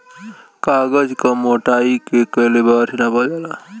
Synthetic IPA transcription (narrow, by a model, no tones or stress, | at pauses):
kaːɡəd͡ʒkamoːʈaːikekəɦlebaːɾinabad͡ʒala